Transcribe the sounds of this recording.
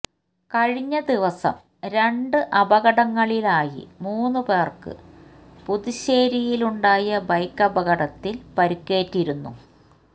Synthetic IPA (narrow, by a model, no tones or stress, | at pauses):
kɐɻiɲːɐd̪iʋɐsɐ̰m | ɾe̞ɳɖɨʔɐbɐɣɐɽɐŋːɐɭilaːjḭmuːnːupe̞ːrkɨ̰ | puðiɕeːɾijiluɳɖaːjɐbɐjkːɐbɐɣɐɽɐt̪ːilpɐɾukːe̞ːtːiɾunːṵ